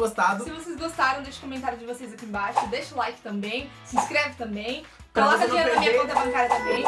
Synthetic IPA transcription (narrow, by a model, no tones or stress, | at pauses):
ɡost̪ad̪ʊsɪvosezɡost̪aɾɐ̃w̃d̪eʃɪ̥komẽnt̪aɾjʊd̪ɪvosezɐkiẽbajʃʊd̪eʃulˠajkt̪ɐ̃mbẽj̃ | sĩskɾɛvɪt̪ɐ̃mbẽj̃ | kɐlˠasɐd̪ĩɲeɾɐmĩɲɐõnt̪ɐbɐ̃ŋkaɾɐt̪ɐ̃mbẽj̃